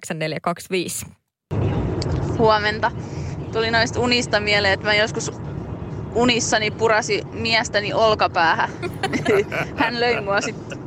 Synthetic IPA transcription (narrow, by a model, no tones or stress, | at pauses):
ksɑnneljɑkɑksʋiːs | huɑment̪ɑt̪ulinoist̪unist̪ɑmiæleːet̪mæjoskus | unisːɑnipurɑsi | miæst̪æniʔolkɑpæːhænhænløimuɑsit̪ː